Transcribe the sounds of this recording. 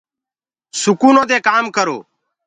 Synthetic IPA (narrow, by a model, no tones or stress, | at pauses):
sʊkuːnõːd̪eːkaːmkəɾo̰ː